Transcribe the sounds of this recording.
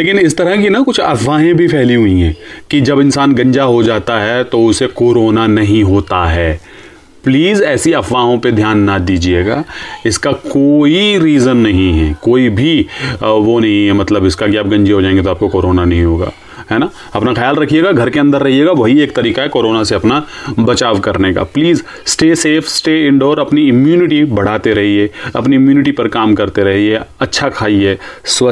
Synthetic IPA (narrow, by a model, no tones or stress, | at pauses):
leːkɪnɪst̪ɐɾəkinɐkʊt͡ʃʰɐfʋaːɦẽbʱipʰɛɦliɦuĩɦɛːkid͡ʒɐbɪ̃nsaːnɡɐ̃ɲd͡ʒaɦod͡ʒaːt̪aɦɛt̪oʊsekoːɾoːnanɐɦĩɦoːt̪aɦɛː | pliːzɛːsiɐfʋaːɦõped̪ʱjaːnːad̪iːd͡ʒieːɡaːɪskakoːiɾiːzənːɐɦĩɦɛ̰koːibʱiʋonɐɦĩɦɛmɐt̪ləbɪskakiaːp̚ɡɐ̃ɲd͡ʒeɦod͡ʒaːẽŋɡet̪oaːp̚kokoːɾoːnanɐɦĩɦoːɡa̰ː | ɦɛːnaː | ɐpnaxɐjaːlɾɐkʰieːɡaɡʱɐɾkeɐ̃nd̪əɾːɐɦieːɡaʋɐɦieːk̚t̪ɐɾiːkaɦɛkoːɾoːnaseɐpnabɐt͡ʃaːʋkɐɾneka̰pliːz | sʈeːseːfʰsʈeːɪ̃ɳɖoːɾɐpniɪmjuːnɪʈibɐɽ̤aːt̪eɾɐɦiɦɛːɐ̰pniɪmjuːnɪʈipɐɾkaːmkɐɾt̪eɾɐɦiɦɛɐtːʃʰakʰaːiɦɛːswɐ